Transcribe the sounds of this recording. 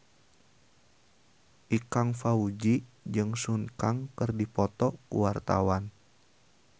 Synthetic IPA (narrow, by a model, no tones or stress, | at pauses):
ʔikaŋfaud͡ʒid͡ʒɨŋsunkaŋkɨrdipɔt̪ɔkṵwart̪a̰wan